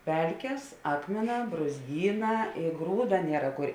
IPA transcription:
ˈpʲɛlʲkʲeːs ˈɑːkmʲeːˌnɑː bruːzʲˈɡʲiːˌnɑː ɪ ˈɡruːdɐ ˈnʲiɛrɐ kʊr

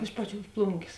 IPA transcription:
ˈɪʃ pɐˌt͡ʃʲuɔs ˈplˠʊŋʲɡʲeːs

